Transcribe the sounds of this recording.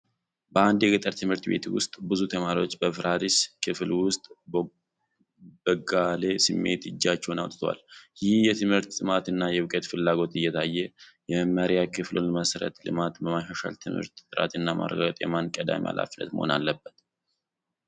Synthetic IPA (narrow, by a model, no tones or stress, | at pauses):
bəand̪jɛɡɨt̪ʼəɾt̪ʰɨmhɨɾt̪be̞̰t̪wʊ̰st̪ʼbɨzut̪ʰəmaɾio̞t͡ʃːbəfɾʔad̪iskʰɨflwʊst̪ʼ | bəɡale̞sɨmːe̞̰t̪ɨd͡ʒːat͡ʃːɛhonawt̪ʼt̪ʰwa̰ljɪhjɛt̪ʰɨmhɨɾt̪sʼɨmat̪ɨnːajɛwɨkʼət̪fɨlːaɡo̞t̪ɨjːɛt̪ʰajːɛjɛməmːəɾjakʰɨflonməsɾə̰t̪lɨ̰mat̪bəmaʃaʃa̰lt̪ʰɨmhɨ̰ɾt̪t̪ːʼɨɾa̰t̪ɨnːama̰rːə̰ɡaɡət̪ʼjɛmankʼəd̪a̰mḭa̰lʔa̰flːə̰t̪mə̰ho̞̰na̰lːəbːət̪